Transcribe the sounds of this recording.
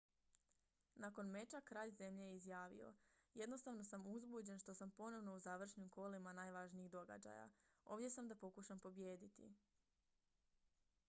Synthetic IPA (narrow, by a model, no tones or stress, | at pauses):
nako̞nme̞t͡ʃakɾaːʎze̞mʎejizjaːʋḭo̞̰je̞d̪no̞st̪aʋno̞samuzbud͡ʑe̞nʃt̪o̞sampo̞no̞ʋno̞uzaʋr̩ʃnimko̞limanaːjʋaːʒniiɣd̪o̞ɡa̰d͡ʑa̰ja̰o̞ːʋdʲje̞samd̪apo̞kuʃampo̞bjeːd̪it̪ḭ